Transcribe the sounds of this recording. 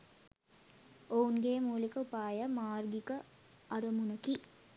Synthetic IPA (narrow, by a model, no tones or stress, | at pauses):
ounɡeːmuːlikəupaːjəmaːrɡikə | ʔɐɾɐmunɐki